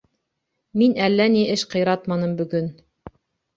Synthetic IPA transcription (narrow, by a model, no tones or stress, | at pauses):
minælːæniʔɘʃqɤ̆jɾɑt̪mɑnɤmbɵ̆ɡɵn